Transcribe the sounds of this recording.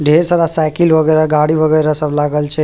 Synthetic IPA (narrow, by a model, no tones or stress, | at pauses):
ɖʱeɾsaɾasajkilbʱəɡəɾaɡaɽibʱəɡəjɾasəblaɡəlt͡ʃʰɛ